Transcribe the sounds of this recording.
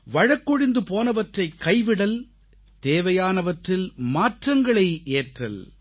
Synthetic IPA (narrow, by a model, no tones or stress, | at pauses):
ʋɐɻɐkːɔɽɪnd̪ɯpoːnɐʋɐʈrɐɪkːɐɪʋɪɽɐl | t̪eːʋɐjaːnɐʋɐʈrɪlmaːʈrɐŋɡɐɭɐɪʔeːʈrɐ̰l